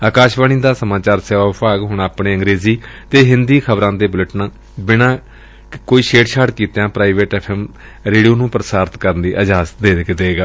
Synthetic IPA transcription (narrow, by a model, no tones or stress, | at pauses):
aːkaːʃʋaniːd̪aːsəmãːt͡ʃaːɾseːʋaːʋpaːɡɦʊɳaːpɳeːəŋɡɾeːziːt̪eːɦɪ̃nd̪iːkʰəbɾãːd̪eːbʊləʈnãː | bɪnãː | koːiːʃeːʈʃʰaːʈkiːt̪jãːpɾaːɪʋeːʈɛːpʰɛːm | ɾeːɖijoːnũːpɾəsaːɾt̪kəɾənd̪iːʔəd͡ʒɦaːsd̪eːd̪ɪkd̪eːɡaː